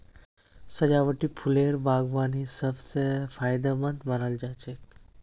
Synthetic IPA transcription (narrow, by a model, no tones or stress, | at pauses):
səd͡ʒaʋəʈipʰuleɾbaːɡʋanisəbsefʰaːjd̪əmənt̪manəld͡ʒat͡ʃek